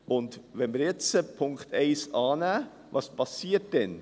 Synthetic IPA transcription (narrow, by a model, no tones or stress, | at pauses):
ʔʊndʋɛnməɾjɛt͡səpʰʊŋktʰeɪsɑːnæː | vɑːspʰɑsiːt̚d̥ɛn